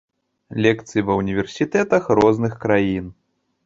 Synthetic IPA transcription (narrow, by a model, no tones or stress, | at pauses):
lʲɛkt̪sɨjivɐwnʲivʲɛrsʲit̪ɛt̪ɐxrɔznɨxkɾajin